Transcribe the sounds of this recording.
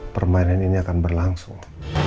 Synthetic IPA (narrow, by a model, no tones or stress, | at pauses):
pərmainaniniakanbərlaŋsʊŋ